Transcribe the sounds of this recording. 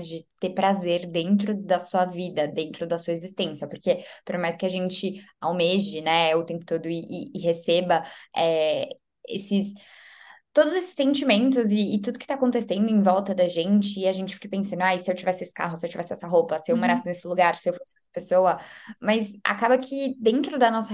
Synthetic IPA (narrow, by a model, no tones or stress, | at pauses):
d͡ʒɪt̪epɾazeɾd̪ẽnt̪ɾʊd̪ɐsuɐvid̪ɐd̪ẽnt̪ɾʊd̪ɐsuɐezist̪ẽsjɐpoɾkepoɾmajskɪaʒẽnt͡ʃɪawmeʒɪnɛɛʊt̪ẽmpʊ̥t̪od̪ʊɪʔɪːɦesebɐɛ | ḛsɪs | t̪od̪ʊzesɪ̥sːẽnt͡ʃimẽnt̪ʊzɪːt̪ud̪ʊkɪ̥t̪akõnt̪esẽnd̪ʊẽj̃vɔwt̪ɐd̪ɐʒẽnt͡ʃɪːaʒẽnt͡ʃɪfikɐpẽsɐ̃nd̪ʊajsɪewt͡ʃivɛsɪesɪ̥kaɦʊsɪewt͡ʃivɛsɪɛsɐɦopɐsɪewmoɾasɪnesɪluɡaɾsɪewfosɪɛsɐ̥pesoɐmɐza̰kabɐkʰɪd̪ẽnt̪ɾʊd̪ɐnɔsɐ